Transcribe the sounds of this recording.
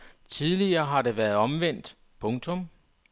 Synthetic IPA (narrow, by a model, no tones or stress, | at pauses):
t͡sʰiðˠliɐːɦɑ̈de̝ʋæɐðˠɒ̽mʋen̰d̥ | pʰɔ̽ŋt͡sʰɔ̽m